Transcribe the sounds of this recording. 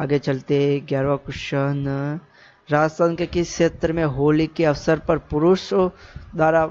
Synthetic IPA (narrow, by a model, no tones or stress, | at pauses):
aːɡet͡ʃɐlt̪eɦeɡaːɾʋakʊʃən | ɾaːd͡ʒsənkekiʃeːt̪ɾəmẽɦoːlikeɐʋsəɾpɐɾpʊɾʊʃd̪aːɾa